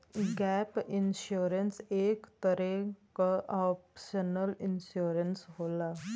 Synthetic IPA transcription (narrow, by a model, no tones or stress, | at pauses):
ɡɛpinɕuɾənsekt̪əɾekʔɔpɕənəlinɕuɾənsɦola